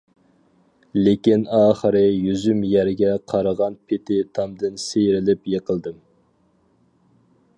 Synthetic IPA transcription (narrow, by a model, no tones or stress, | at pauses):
lekʲinɑːχəɾɨjyzymjæɾɡʲɛqʰɑɾəʁɑnpʰɪt̪ʰɪt̪ʰɑmd̪ɪnsejɾɪlɪpjeqʰəlˠd̪ɨm